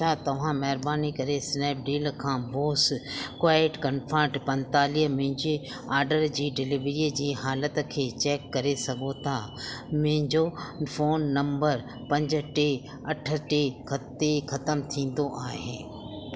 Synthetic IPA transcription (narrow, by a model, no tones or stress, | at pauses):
at̪ɐʋ̤ãmɐɦɪɾbaːnikɐɾesnɛːp̚ɖiːlkʰãːboːskʋaːɪʈkɐnfʰãːʈpɐ̃nt̪aːliːɦmʊ̃ɦɪ̃ɲd͡ʑi | aːɾɖəɾd͡ʑiːɖɪliʋɾid͡ʑiːɦaːlət̪kʰeːt͡ɕɛːkːɐɾesɐɡʱot̪ʰamʊ̃ɦɪ̃ɲd͡ʑofoːnːɐ̃mbəɾ | pɐ̃ɲd͡ʑə̆ʈe | ɐʈʰə̆ʈekʰɐt̪exɐt̪əmt̪ʰĩːn̆d̪oʔaːɦẽː